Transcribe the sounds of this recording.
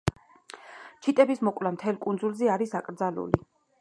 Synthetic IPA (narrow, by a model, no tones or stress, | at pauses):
t͡ʃʰit̪ʼɛbismɔkʼlamt̪ʰɛlˠkʼunzulˠzɛaɾisakʼɾd̪zalṵli